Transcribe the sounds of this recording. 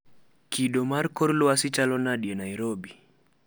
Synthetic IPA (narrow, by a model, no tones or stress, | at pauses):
kʰiɗɔmaɾkɔɾluasit͡ʃalɔnaɗiɛnaiɾɔbi